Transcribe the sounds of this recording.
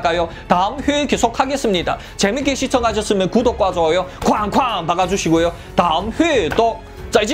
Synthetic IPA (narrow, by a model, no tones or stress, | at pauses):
k͈ajo | taɯmɸɥekesʰok̚haɡe̞s͈ɯmɲida̰ | t͡ɕemik͈eɕʰit͡ɕʰʌŋɦaɕʰʌs͈ɯmjʌnkudok͈wad͡ʑojokwaŋkwanpaɡad͡ʑuɕʰiɡojo | taɯmɸɥet͈o | t͡ɕ͈ad͡ʑ